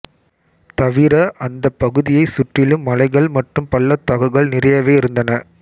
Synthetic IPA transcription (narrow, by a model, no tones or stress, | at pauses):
t̪ɐʋɪɾɐʔɐnd̪ɐpːɐɣɯðɪjɐɪsʊʈrɪlɯmːɐlɐɪɣɐɭmɐʈrɯmpɐlːɐt̪ɐɣɐɣɐɭnɪrɐjɐʋeːɪɾɯnd̪ɐnɐ